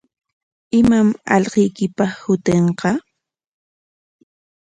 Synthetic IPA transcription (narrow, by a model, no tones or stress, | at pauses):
ɪmamɑ̰ʎqejkɪpɑχhʊt̪eɴqɑ